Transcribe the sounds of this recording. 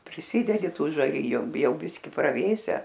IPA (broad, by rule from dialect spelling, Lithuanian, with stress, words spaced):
pʲrʲɪˈsʲɪdʲɛdʲɪ ˈtuː ʒɐˈrʲɪjʊ ˈjɛʊ ˈbʲɪsʲkʲɪ prɐˈʋʲeːsʲɛ